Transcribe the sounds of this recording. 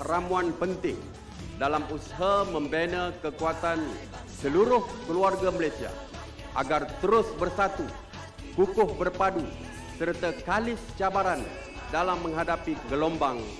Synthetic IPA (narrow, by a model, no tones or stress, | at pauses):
ramuanpənt̪ɪŋ | dalamusaɦamə̃mbɛnakəkuat̪an | səluɾʊhkəluarɡaməlasia̰ | ʔa̰ɡart̪əɾʊsbərsat̪u | kukʊhbərpadu | sərt̪akalɪst͡ʃabaɾan | dalamːə̃ŋɦadapiɡəlɔmbaŋ